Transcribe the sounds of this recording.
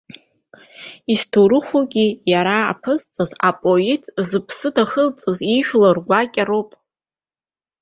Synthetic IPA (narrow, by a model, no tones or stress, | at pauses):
istʰoɾɨχʷuɡʲijaɾa̰ːpʰɨzt͡sʼɨzapʼoitʰʼzɨpʰsɨdaχəlt͡sʼɨziʃᶣlarɡʷakʲʼaɾowpʼ